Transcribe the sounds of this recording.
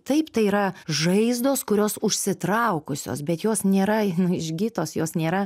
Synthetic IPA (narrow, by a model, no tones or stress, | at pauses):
t̪ɐɪpt̪ɐɪiːɾɐʒɐɪzd̪oːskʊɾʲoːsʊʃʲsʲɪt̪ɾɐʊkʊsʲo̰ːsbʲɛt̪joːsnʲeːɾɐnʊɪʒʲɡʲit̪oːsjoːsnʲeːɾɐ